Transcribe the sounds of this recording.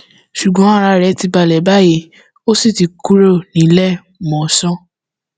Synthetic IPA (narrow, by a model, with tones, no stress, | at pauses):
ʃu˨ɡ͡bɔ̃˨˦a˦ɾa˧ɾɛ˨˦ti˧ba˧˨lɛ˨˦ba˦˨je˧˦ | o˦si˦˨ti˨˧ku˦ɾo˦˨nĩ˨˦lɛ˦ | mɔ̃˨sɔ̃˦